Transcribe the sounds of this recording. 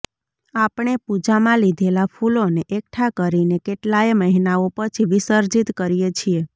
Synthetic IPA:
apɳ̃epud͡ʒamãlid̪ʱelapʰuloneʔek̚ʈʰakəɾinekeʈlaeməɦinaopət͡ʃʰiʋisəɾd͡ʒit̪kəɾijet͡ʃʰie

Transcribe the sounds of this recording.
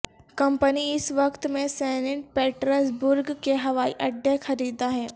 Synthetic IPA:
kɐ̃mpəniɪsʋɐkt̪mẽsɛːneʈ̚peːʈɾəsbʊɾɡkeɦɐʋaːiʔɐɖexɐɾiːd̪aɦɛː

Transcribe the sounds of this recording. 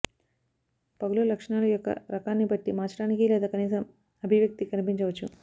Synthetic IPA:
pɐɡululɐkʂɐɳaːlɐjɔkːɐ̰ɾɐkaːnːibɐʈːimaːt͡ʃɐɽaːnikileːd̪aːkɐniːsɐm | ɐbʱiʋjɐk̚t̪ikɐnipiɲt͡ʃɐʋɐt͡ʃːu

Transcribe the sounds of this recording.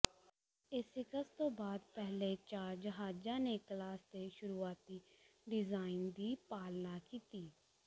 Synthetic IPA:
ɪsɪkəst̪õːbaːd̪̚pɛɦleːt͡ʃaːɾd͡ʒəɦaːd͡ʒaːneːklaːsd̪eːʃʊɾuːaːt̪iːɖɪzaːɪnd̪iːpaːlnaːkiːt̪iː

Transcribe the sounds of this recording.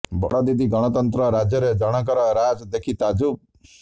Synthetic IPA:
bɔ̰ɽɔd̪id̪iɡɔɽ̃ɔt̪ɔnt̪ɾɔɾad͡ʒjɔɾed͡ʒɔɽ̃ɔk̬ɔɾɔɾad͡ʒd̪ekʰit̪ad͡ʒub̚

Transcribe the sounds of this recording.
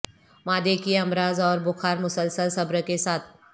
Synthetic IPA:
maːd̪ekiɐmɾaːzɔːɾbʊxaːɾmʊsəlsəlsɐbɾəkesaːt̪ʰ

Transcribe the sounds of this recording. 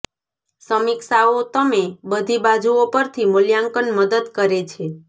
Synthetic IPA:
səmɪksaot̪əmebəd̪ʱibad͡ʒuopəɾt̪ʰimʊljaŋkənməd̪əd̪kəɾet͡ʃʰe

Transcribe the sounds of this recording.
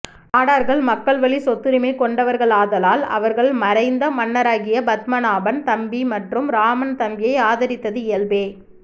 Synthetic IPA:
aːɽaːɾɣɐɭmɐkːɐɭʋɐɭisɔt̪ːɯɾɪmɐɪkɔɳɖɐʋɐɾɣɐɭaːðɐlaːlɐ̰ʋɐɾɣɐɭmɐɾɐɪnd̪ɐmɐnːɐɾaːɣɪjɐbɐt̪mɐnaːbɐnt̪ɐmbimɐʈrɯmɾaːmɐnt̪ɐmbɪjɐɪaːðɐɾɪt̪ːɐðɯɪjɐlbeː

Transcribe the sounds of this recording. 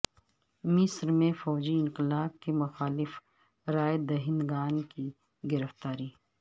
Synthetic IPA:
mɪsɾmẽfɔːd͡ʒiɪ̃ŋqɪlaːqkemʊxaːlɪf | ɾaːjed̪ɐɦɪ̃nɡaːnki | ɡɪɾəft̪aːɾiː

